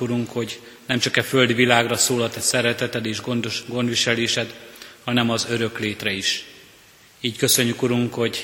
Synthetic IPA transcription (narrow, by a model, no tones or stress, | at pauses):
uɾuŋkho̞ɟ | nɛmt͡ʃɒkɛfø̞ld̪ʋilaːɡrɒsoːlɒt̪ɛsɛɾɛt̪ɛt̪ɛd̪eːʒɡo̞nd̪ʋiʃɛleːʃɛd̪hɒnɛmɒzø̞ɾø̞kleːt̪rɛiʃ | iːckø̞sø̞ɲːykuɾuŋkho̞ɟ